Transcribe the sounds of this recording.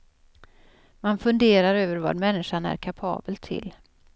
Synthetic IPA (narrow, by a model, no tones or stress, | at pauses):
manfɵnd̪eːɾaɾøːvəɾva̰d̪mɛnːɪʂanæ̰ɾkʰapʰɑ̰ːbəlt̪ʰɪ̰l